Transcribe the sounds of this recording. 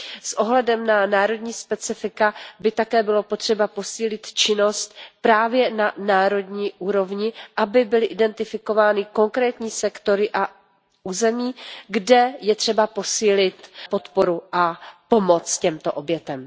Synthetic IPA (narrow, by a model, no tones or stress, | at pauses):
sʔo̞ɦlɛdɛmnanaːɾo̞dɲiːspɛt͡sɪfɪkabɪt̪akɛːbɪlo̞po̞t̪r̝̥ɛbapo̞siːlɪt̪t͡ʃɪno̞st̪pɾaːvjɛnanaːɾo̞dɲiːʔuːɾo̞vɲɪʔabɪbɪlɪʔɪdɛnt̪ɪfɪko̞vaːnɪko̞ŋkɾɛːt̪ɲiːsɛkt̪o̞ɾɪʔa | ʔuːzɛmiːɡdɛjɛt̪r̥ɛbapo̞siːlɪt̪po̞t̪po̞ɾuʔapomo̞t͡scɛmt̪o̞ʔobjɛt̪ɛm